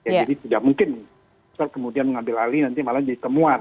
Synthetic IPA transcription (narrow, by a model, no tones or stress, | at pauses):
jad͡ʒadit̪idak̚muŋkɪnːɪ | əsarkəmudianməŋambɪlalinant̪imalamd͡ʒadit̪əmuan